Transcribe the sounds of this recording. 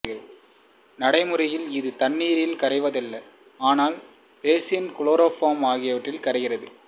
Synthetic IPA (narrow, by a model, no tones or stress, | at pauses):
ɣɐɭ | nɐɽɐɪmɯɾɐjɪlɪðɯt̪ɐnːiːɾɪlkɐɾɐɪʋɐðɐlːɐ | aːnaːl | peːsɪnkʊɭoːɾoːfoːmaːɣɪjɐʋɐʈːrɪlkɐɾɐɣɪrɐðɯ